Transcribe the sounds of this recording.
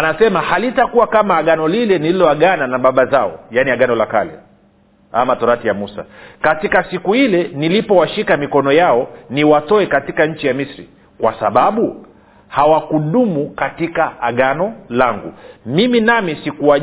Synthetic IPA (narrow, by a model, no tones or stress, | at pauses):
anasɛmahalitakuwakamaːɠanɔlilɛnililɔaɠananaɓaɓazaɔ̰janiaɠanɔlaka̰lɛ̰ | a̰matɔɾatijamusa̰katikasikuhilɛnilipɔwaʃikamikɔnɔjaɔniwatɔɛkatikaɲ̩t͡ʃijamisɾḭ | kwa̰sa̰ɓaɓu | hawakuɗumukatikaːɠanɔlaŋɡṵmiminamisikua